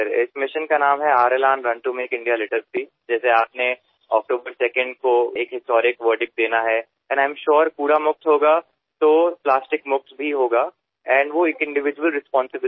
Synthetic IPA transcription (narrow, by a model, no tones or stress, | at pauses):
əɾɪ̰smɪʃə̃nkanaːmɦɛaːɾelãːnɾɐ̃ɳʈũmẽːkɪ̃ɳɖijalɪʈəɾpi | d͡ʒɛːseaːpne | ɔ̰ːk̚ʈoːbəɾsɛːkə̃ɳɖ̚koeːkɦɪsʈɔːɾɪkʋəːɾɖɪk̚d̪eːnaɦɛ | ɛ̃nãːɪ̃mʃɔːɾpuːɾamʊk̚t̪ɦoːɡa | t̪oːplaːsʈɪkmʊk̚t̪ʰbʱiɦoːɡaː | ɛ̃ːɳɖʋoeːkɪ̃ɳɖɪʋɪd͡ʒuʋəlɾɪspɔ̃ːnsɪbɪ